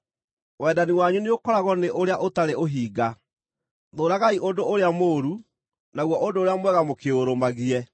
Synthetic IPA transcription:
wɛdaniwaɲuneokɔɾaɣɔneʔoɾeaʔotaɾeʔoɦiːɡa | ðoːɾaɣaiʔondoʔoɾeamoːɾu | naɣwɔʔondoːɾeamwɛɣamokeoɾomaɣiɛ

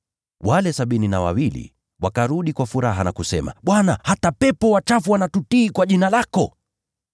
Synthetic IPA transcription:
walɛsaɓininawa̰wilḭ | wakaɾuɗikwafuɾaɦanakusɛ̰ma̰ɓwanahatapɛpɔwat͡ʃafuwanatutiːkwaʄinalakɔ

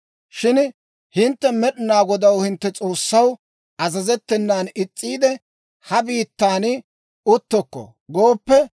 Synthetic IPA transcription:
ʃɪn | hɪnt̪ːɛmɛɗɪnaːɡɔd̪ɐwhɪnt̪ːɛt͡sʼo̞ːsːɐw | ɐzɐzɛt̪ːɛnːaːnɪt͡sʼːiːd̪ɛ | hɐbiːt̪ːaːnɪ | ʊt̪ːɔkːɔ̰ | ɡoːpːɛ

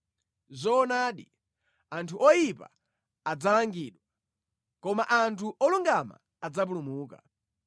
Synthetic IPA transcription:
zɔnaːɗi | antʰuʔɔjipa̰ | ad͡zalaŋɡiːɗwa | kɔma̰ʔantʰuʔɔluŋɡama̰ | ad͡zap̬ulumuːka̰

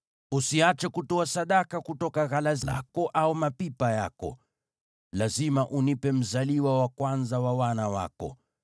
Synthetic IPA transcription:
usiat͡ʃɛkutɔasaɗakakutɔkaɣalaza̰kɔʔaumapipajakɔ̰ | lazimaʔunipɛm̩zaliwawakwanzawawanawa̰kɔ̰

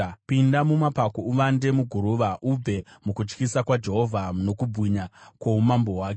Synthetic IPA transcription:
pindamumapakouʋande̞muɡʱuɾuʋaʔub͡ve̞mukut͡ʃkisakwad͡ʒe̞ɦo̞vʱano̞kubʱwiɲakwoumambo̞waːke

